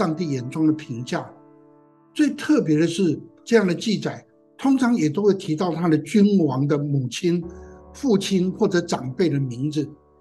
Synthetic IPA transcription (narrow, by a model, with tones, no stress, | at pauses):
ɑ˥˧ŋt̪i˥˩jɛ˨˥nʈ͡ʂʊ˥ŋd̪ə˨pʰi˧˥ŋt͡ɕja˥˩ | t͡swe˥˩ɪt̪ʰɤ˥˩pjɛ˧˥ɾə˨ʂɻ̩˥˧ʈ͡ʂɤ˥˧jɑ˥˩ŋd̪ə˩t͡ɕi˥˩t͡sa˨˩ɪ | t̪ʰʊ˥ŋʈ͡ʂʰɑ˧˥ŋjɛ˨˩t̪o˥ʊwe˥˩ɪt̪ʰi˧˥t̪ɑ˥˩ʊt̪ʰa˥d̪ə˨t͡ɕy˥nwɑ˧˥ŋd̪ə˧˨mu˨˩t͡ɕʰi˥nfu˥˩t͡ɕʰi˥nxwɔ˥˩ʈ͡ʂɤ˧˥ʈ͡ʂɑ˨˩ŋpe˥˩ɪd̪ə˩mi˧˥ŋd͡zɹ̩˨